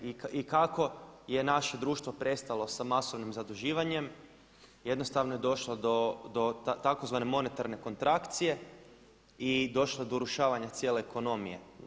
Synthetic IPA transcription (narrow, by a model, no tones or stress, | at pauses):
ikikako̞je̞naʃe̞d̪ɾuːʃt̪ʋo̞pɾe̞st̪alˠo̞samaso̞ʋnimzad̪uʒiːʋaɲe̞m | je̞d̪no̞st̪aʋnoje̞d̪o̞ʃlˠod̪od̪ot̪akozʋane̞mo̞ne̞t̪aɾne̞ko̞nt̪ɾakt̪sije̞ | id̪o̞ʃlˠod̪o̞uɾuʃaːʋaɲat̪sje̞ːle̞ːko̞no̞mije̞̰